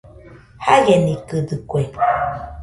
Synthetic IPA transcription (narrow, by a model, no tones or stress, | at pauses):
hajenikɨdɨkwe